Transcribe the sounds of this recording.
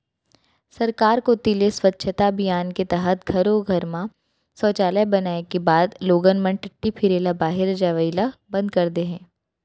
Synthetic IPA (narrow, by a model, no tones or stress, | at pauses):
sɐɾkaːɾkot̪ɪleswɐtːʃʰət̪abijaːnket̪ɛɦət̪̚ɡʱɐɾoɡʱɐɾmã | sɔːt͡ʃaːlɛbɐnaːekebaːd̪loːɡənmə̃nʈɪʈːipʰɪɾeːlabaːɦɪɾd͡ʒaːʋəilabɐ̃nd̪̚kɐɾd̪eɦɛ̃ː